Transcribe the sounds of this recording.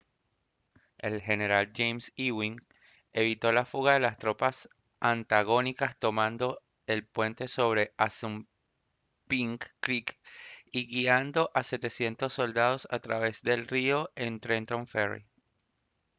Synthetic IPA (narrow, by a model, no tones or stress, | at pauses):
e̞lɦe̞ne̞ɾald͡ʒejmsiwiŋ | e̞βit̪o̞lafuɣaðe̞last̪ɾo̞pas | ʔant̪aɣ̞o̞nikast̪o̞mãnd̪o̞ | e̞lpwe̞nt̪e̞so̞β̞ɾe̞ʔasum | piŋkːɾikiɣiand̪o̞ʔase̞t̪e̞sje̞nt̪o̞sːo̞ld̪að̞o̞sa̰t̪ɾaβe̞zd̪e̞lrio̞ʔe̞nt̪ɾent̪o̞ɱferḭ